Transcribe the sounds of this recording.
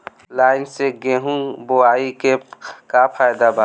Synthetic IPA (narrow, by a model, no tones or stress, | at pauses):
laːɪnseɡeɦũboaːikekapʰaːjd̪aba